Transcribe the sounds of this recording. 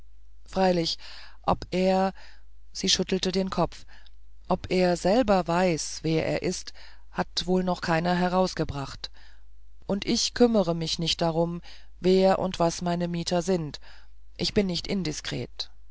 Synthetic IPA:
fʁ̥aɪlɪçʔɔpʔeːɐ | z̥iːʃʏtl̩tədeːnkʰɔp͡f | ʔɔpʔeːɐzɛlbɐvaɪsv̥eːɐʔḛːɐʔɪst | hatv̥oːlnɔχkʰaɪnɐɦɛʁaʊsɡ̥əbʁaχt | ʔʊntʔɪçkʰʏməʁəmɪçnɪçt̚d̥aʁʊm | veːɐʔʊ̰ntv̥asmaɪnəmiːtʰɐzɪnt | ʔɪçb̥ɪnːɪçtʔɪndɪskʁ̥ḛːt

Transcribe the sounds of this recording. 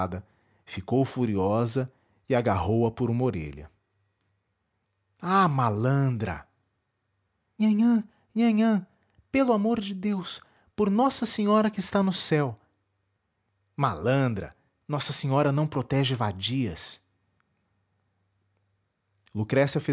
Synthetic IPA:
d̪ɐ | fikowfuɾiɔzɐ | ɪaɡaɦowɐpʊɾũmɐoɾḛʎɐ̰ | amalɐ̃nd̪ɾɐ̰ | mɐ̃ɲɐ̃ | mɐ̃ɲɐ̃ | pelʊamoɾd͡ʒɪd̪ews | poɾnɔsɐsẽɲɔɾɐkɪːst̪anʊsɛw | malɐ̃nd̪ɾɐ̰ | nɔsɐsẽɲɔɾɐnɐ̃w̃pɾot̪ɛʒɪvad͡ʒiɐs | lukɾɛsɐfe

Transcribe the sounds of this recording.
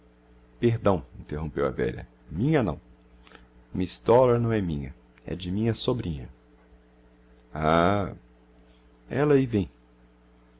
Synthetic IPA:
peɾd̪ɐ̃w̃ĩnt̪eɦõmpewa̰vɛ̰ʎɐ̰ | mĩɲɐnɐ̰̃w̃ | mist̪ɔlɐɾnɐ̃w̃ɛmĩɲɐ | ɛ̰d͡ʒɪmĩɲɐsobɾĩɲɐ | a | ɛlɐivẽj̃

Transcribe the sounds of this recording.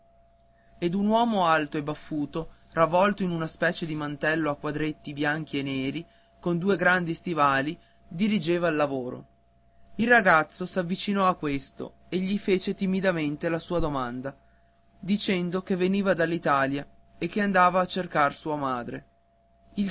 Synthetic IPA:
ed̪unwɔːmoalt̪oebafːuːt̪o | ravːɔlt̪oinunaspɛːt͡ʃed̪imant̪ɛlːoakːwad̪ɾet̪ːibjaŋk̟ienːeːɾi | kond̪uːeɡɾand̪ist̪ivaːli | d̪iɾid͡ʒeːvalːavoːɾo̰ | ilraɡat̪sːosavːit͡ʃinɔakːwest̪o̰ | eʎːifeːt͡ʃet̪imid̪ament̪elasuːad̪omand̪a | d̪it͡ʃɛnd̪okevːeniːvad̪alːit̪aːlja | ek̟ːeand̪aːvaːt͡ʃːerkarsuːamaːd̪ɾḛ | il

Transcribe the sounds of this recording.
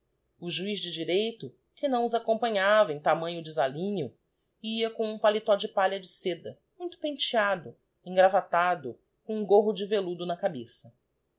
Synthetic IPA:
ʊʒuizd͡ʒɪd͡ʒiɾejt̪ʊ | kɪnɐ̃w̃ʊzakõpɐ̃ɲavɐẽj̃t̪amɐ̃ɲʊd͡ʒɪzalĩɲʊ | iɐkõw̃ũpalit̪ɔd͡ʒɪpaʎɐd͡ʒɪsed̪ɐmũj̃t̪ʊ̥pẽt͡ʃiad̪ʊ | ẽŋɡɾavat̪ad̪ʊ | kõũɡoɦʊd͡ʒɪvelud̪ʊnɐkabesɐ

